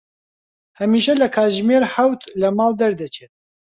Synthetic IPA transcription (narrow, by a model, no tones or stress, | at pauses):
hɐmiːʃɐlɐkʰaːʒmeːɾħawt̪lɐmɑːld̪ɐɾd̪ɐt͡ʃʰeːt̪̚